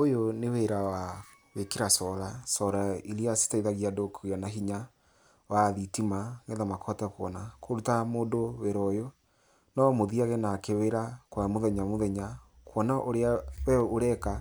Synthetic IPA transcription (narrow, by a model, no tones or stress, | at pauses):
ojoneweɾawa | wekeɾasɔɾasɔɾaiɾiasi̥taiðaɣiadokʰujanaɦiɲa | waðitimaŋɡeðamakʰɔtɛkwɔ̰nakʰoɾutamoːdoweɾɔjo | nɔmoðiaɣɛnakeweɾakwamoðɛɲamoðɛɲakwɔnaʔoɾeawɛoɾɛka